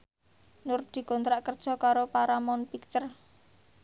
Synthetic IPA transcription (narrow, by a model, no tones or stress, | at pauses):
nʊrd̪̥i̤kɔnt̪ɾaʔkərd̥ʒ̥ɔ̤kaɾopaɾamɔnpikt͡ʃər